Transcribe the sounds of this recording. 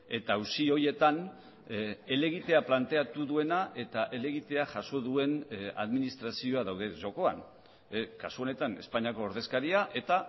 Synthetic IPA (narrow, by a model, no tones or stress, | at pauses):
e̞t̪ausio̞je̞t̪an | ele̞ɣ̞it̪e̞aplant̪e̞at̪uðue̞naʔe̞t̪aʔe̞le̞ɣit̪e̞aʝaso̞ðue̞na̰ðminist̪ɾasio̞aðawðe̞ʝo̞ko̞a̰n | kasuo̞ne̞t̪ane̞̰spaɲiako̞ːɾðe̞skaɾiaʔe̞t̪a